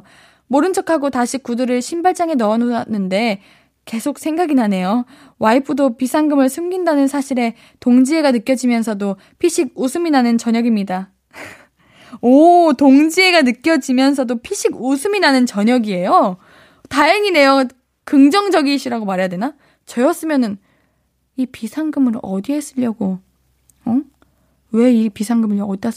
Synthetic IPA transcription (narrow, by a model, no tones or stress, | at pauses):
moɾɯnt͡ɕʰʌkʰaɡotaɕʰikudɯɾɯɭɕʰinbaɭt͡ɕ͈aŋe̞nʌːnonːɯnde̞ | ke̞sʰok̚sʰe̞ŋɡaɡinɦane̞jo | waipʰɯdopisʰaŋɡɯmɯɭsʰɯmɡindanɯnsʰaɕʰiɾe̞ | toŋd͡ʑie̞ɡanɯk͈jʌd͡ʑimjʌnsʰʌdo | pʰiɕʰiɡ̚usʰɯminanɯnt͡ɕʌɲʌɡimɲida | otoŋd͡ʑie̞ɡanɯk͈jʌd͡ʑimjʌns̬ʰʌdopʰiɕʰiɡosʰɯminanɯnt͡ɕʌɲʌɡie̞jo | tajʌŋine̞jʌ | kɯŋd͡ʑʌŋd͡ʑʌɡiːɕ͈ʰiɾaɡomaɾejadwena | t͡ɕʌjʌs͈ɯmjʌnɯn | ipisʰaŋɡɯmɯɾʌdiɦe̞s͈ɯʎːʌɡo | ʌ | we̞ipisʰaŋɡɯmɯɭʌʌtia